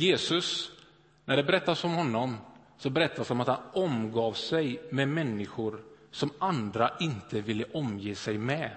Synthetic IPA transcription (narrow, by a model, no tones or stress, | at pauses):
jeːsɵs | nʔæɖɛbɛɾɛt̪ːasɔmhɔnːɔm | sɔbɛɾɛt̪ʰːasɔmat̪hanɔmɡɑːvsɛjmɛmɛnːɪɧʊɾsɔmʔand̪ɾaʔɪnt̪ʰəvɪlːəʔɔmjeːsɛjmɛ